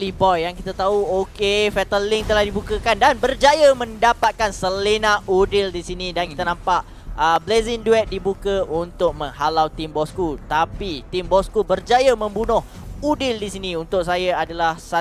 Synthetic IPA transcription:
libɔjjaŋkit̪at̪auokefɛt̪əlɪŋt̪əlahdibukəkandanbərd͡ʒajamə̃ndapat̪̚kansəlinaʔudɪldisinidankit̪anampaʔ | əblezɪŋduɛt̪̚dibukəʔunt̪ʊk̚mə̃ŋɦalawt̪imbɔskut̪apit̪imbɔskubərd͡ʒajamə̃mbunʊh | udɪldisiniunt̪ʊk̚sajaadalahsa

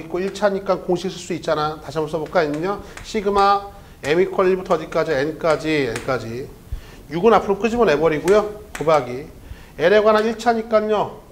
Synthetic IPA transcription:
k͈oiɭt͡ɕʰaɲik͈ankoŋɕʰiksʰɯɭs͈uit̚t͡ɕ͈anataɕʰiamʌs̬͈ʌbok͈aɲiɲɲʌɕʰiɡɯma | emikʰʌiɭbutʰʌd͡ʑik͈ad͡ʑienk͈ad͡ʑienk͈ad͡ʑi | juɡɯnapʰɯɾok͈ɯd͡ʑimʌne̞bʌɾiɡujokɯbaɡi | eɾeɡwanaiɭt͡ɕʰaɲik͈aɲɲo

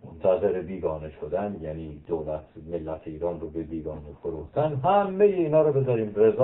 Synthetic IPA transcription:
mont̪ʰæze̞ɾebiːɡɒːne̞ʃod̪ænjæniːd̪oːlæt̪ʰmelːæt̪ʰeiːɾɒːnroːbebiːɡɒːnefoɾuxt̪ænɦæmːejeiːnɒːɾobe̞zɒːɾiːmre̞zɒ

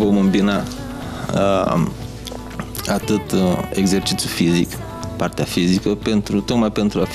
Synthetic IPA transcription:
vomɨmbina | at̪ɨt̪eɡzert͡ʃit̪sjufizikə̥ | part̪eafizikəpent̪ɾut̪okmajpent̪ɾuaf

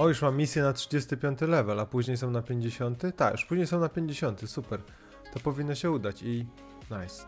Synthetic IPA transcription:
ɔjuʂmamːʲisʲjɛnatʂɘd͡ʑest̪ɘpʲjɔnt̪ɘlɛvɛlapuʑɲejsɔ̃w̃napʲjeɲd͡ʑeɕɔnt̪ɘt̪akjuʂpuʒʑɲejsɔ̃w̃napʲjeɲd͡ʑeɕɔnt̪ɘsupɛɾ | t̪ɔpɔvʲinːɔɕɛud̪at͡ɕi | najs

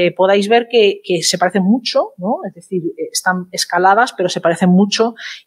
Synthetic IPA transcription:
epoð̞ajzβe̞ɾkekesepaɾeθeŋmut͡ʃonoezðeθiɾːst̪aneskalað̞aspe̞ɾo̞se̞paɾeθeŋmut͡ʃo

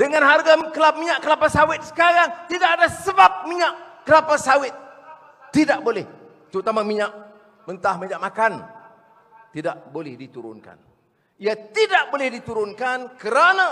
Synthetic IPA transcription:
dəŋãnɦarɡakəlamiɲaʔkəlapasawɪt̪̚sə̥kaɾaŋt̪idaʔadasəbap̚miɲaʔkːəlapasawɪt̪̚ː | idaʔbolɛh | t̪əɾut̪amamiɲaʔ | bənt̪ahməɲaʔmakan | t̪idaʔbolɛhdit̪uɾʊ̰nka̰n | iat̪idaʔbolɪhdit̪uɾʊnkankəɾanã

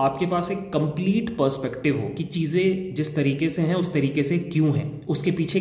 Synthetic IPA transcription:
aːp̚kepaːseːkːɐ̃mpliːʈpəɾspɛkʈɪʋɦo̰ːkit͡ʃiːzẽd͡ʒɪst̪ɐɾiːkeseɦɛ̃ʊst̪ɐɾiːkesekjũːɦɛ̰̃ː | ʊskepiːt͡ʃʰe

